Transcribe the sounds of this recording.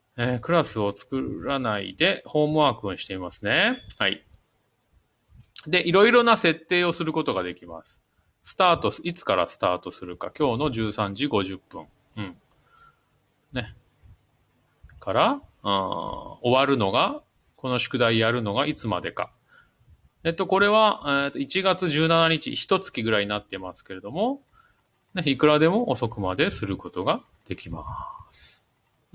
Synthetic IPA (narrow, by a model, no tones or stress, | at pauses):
eːkɯ̟ɾasɨo̞t͡sɨ̥kɯɾanaḭd̪e̞ho̞ːmɯ̟βaːkɯɯ̃ɰ̃ɕi̥t̪e̞imasɨne̞hai | d̪e̞ʔiɾo̞iɾo̞nase̞t̪ːe̞ːo̞sɨɾɯ̟ko̞t̪o̞ɡad̪e̞kʲima̰sɨ̥ | sɨ̥t̪aːt̪o̞sɨ̥it͡sɨ̥kaɾa̰sɨ̥t̪aːt̪o̞sɨɾɯ̟kakʲo̞ːno̞ʑɨːsãɲ̟d͡ʑiɡo̞ʑɨpːɯ̰̃ɴ | ɯ̟̃ɴ | ne̞ | kʰaɾaɯ̃o̞βaɾɯ̟no̞ɡa | ko̞no̞ɕɨ̥kɯ̟d̪aijaɾɯ̟no̞ɡaʔit͡sɨmad̪e̞ka̰ | et̪ːo̞ko̞ɾe̞β̞aet̪o̞it͡ɕiɡat͡sɨʑɨːnanaɲ̟it͡ɕḭçi̥t̪o̞t͡sɨ̥kʲiɡɯ̟ɾainat̪ːe̞masɨ̥ke̞ɾe̞d̪o̞mo̞ | neikɯ̟ɾad̪e̞mo̞ʔːsokɯ̟mad̪e̞sɨɾɯ̟ko̞t̪o̞ɡa | d̪̥e̞kʲimasɨ̥